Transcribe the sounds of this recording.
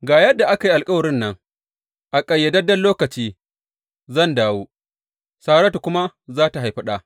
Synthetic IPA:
ɡaː˨jɐ˦dːa˨ʔa˦ka˨ji˦ʔa˨lkʼɐ˦wɐ˨ɾɪ˦nːɐ˦ŋ | ʔa˨kʼɐ˨jːɐ˨dɐ˦dɐ˦lloː˦kɐ˨t͡ʃiː˦ | zɐ˦˨ndaː˨woː˦ | saː˦ɽɐ˦tu˨kʷʊ˦ma˦zaː˦ta˨ɦa˨jɸɐ˦ɗaː˨

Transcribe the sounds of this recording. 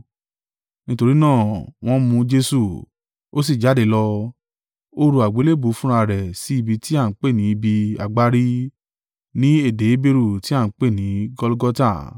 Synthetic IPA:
nĩ˦to˧ɾi˦nãː˦˨w̃ɔ̃˦mũ˧d͡ʒe˧su˨ | o˦s̬i˦˨d͡ʒa˨˦de˨˧˦lɔ˧ | o˦ɾu˧˦a˨ɡ͡be˨˦le˦˨bu˨˦fũ˦ɾ̃a˧ɾɛ˨si˧˦i˦˨bi˧ti˦a˦˨n̩˦k͡pe˦˨nĩ˨˦bi˧a˨ɡ͡ba˦ɾi˦ | nĩ˦e˦˨de˨˦be˧ɾu˦˨ti˦a˦˨n̩˦k͡pe˦˨nĩ˨˦ɡɔ˦lu˦ɡɔ˦ta˦˨

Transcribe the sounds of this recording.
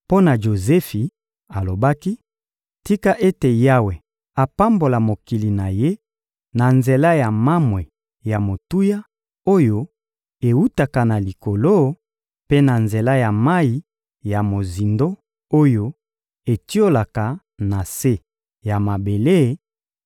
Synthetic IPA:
po˦na˨ʒo˨zɛ˦fi˨ | a˨lo˨ba˦ki˦ | ti˦ka˦ʔe˦te˨ja˦we˨ | a˨pa˦mbo˨la˨mo˨ki˨li˨na˨je˦ | na˨nze˨la˦ja˨ma˦mwe˨ | ja˨mo˨tu˦ja˦ | o˦jo˦ | e˨wu˦ta˨ka˨na˨li˨ko˨lo˦ | pe˦na˨nze˨la˦ja˨ma˦i˨ | ja˨mo˨zi˨ndo˦ | o˦jo˦ | e˨ti˦o˦la˨ka˨ | na˨se˦ | ja˨ma˨be˨le˦

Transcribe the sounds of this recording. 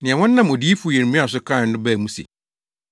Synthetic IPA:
nɪ̃˨ɛ̃˨wɔ̃˦nː˦ã˦mɔ˨di˦fʊ˦˨ɛ˨ɾmũ˦a˨sʊ˦kʰa˦˨n̩˦ʊ˦bæ˦˨mũ˦sḛ˨

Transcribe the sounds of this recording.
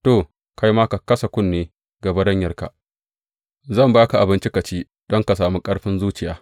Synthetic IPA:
to˨ | ka˦jmaː˦ka˨kɐ˦sɐ˨kʷʊ˦nːeː˨ | ɡɐ˨bɐ˦ɽɐ˦ɲjɐ˨rka̰˨ʔ | zɐ˦˨mbaː˦ka˨ʔa˨bɪ˦nt͡ʃɪ˦ka˨t͡ʃiː˦ | dɔ˦ŋka˨saː˨mu˦kʼɐ˦ɽɸɪ˦nzuː˦t͡ʃɪ˨jaː˨˦

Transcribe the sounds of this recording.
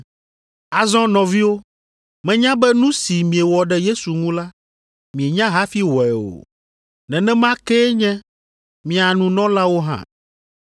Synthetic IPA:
a˨zɔ̃˦nɔ̃˨vi˦wo˦ | mɛ̃˦ɲã˦bɛ˦nũ˦si˨mĩ˨e˨wɔ˨ɖɛ˦je˦su˨ŋũ˦la˦ | mĩ˨e˨ɲã˦ɦa˦fi˦wɔ˨ɛ˨o̰˨ | nɛ̃˨nɛ̃˦mã˦kɛ˦ɲɛ̃˦ | mĩ˨a˨nũ˨nɔ̃˦la˦wo˦ɦã̰˦

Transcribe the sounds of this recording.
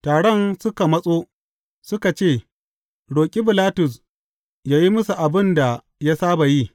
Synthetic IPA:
taː˨ɽɔ˦nsʊ˦ka˨mɐ˦sʼoː˦ | sʊ˦ka˨t͡ʃeː˦˨ | ɽoː˨kʲʼi˦bɪ˨laː˦tʊ˨s | jaː˦ji˦mʊ˦su˨ʔa˨bɪ˦nda˨ | ja˦saː˦ba˨ji˦

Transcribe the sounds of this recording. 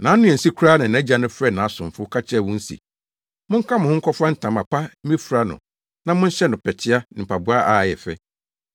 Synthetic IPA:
nã˨˦nʊ̃˦ɛ˨si˦kʰɾaː˦nã˨n˨ɛ̃˦d͡ʑa˨nʊ̃˦fɾɛ˦˨nã˨sʊ̃˨m˨fʊ˦kʰa˦t͡ɕʰɪ˦ɛ˦˨wʊ̃˦n̩˦sḭ˨ | mʊ̃˦ŋ̩˦kʰã˦mʊ̃˨hʊ̃˦ŋ̩˦kʰɔ˦fa˦n̩˦˨tʰã˨ma˨pʰa˦ĩ˦fu˨ɾa˦nʊ̰̃˨ | nã˨mʊ̃˦n̩˦ɕɛ˦nʊ̃˨pʰɛ˨tʰɪ˦a˦nɪ̃˨m̩˨pʰa˨bu˦a˦ʔa˨jɛ˨fɛ̰˦

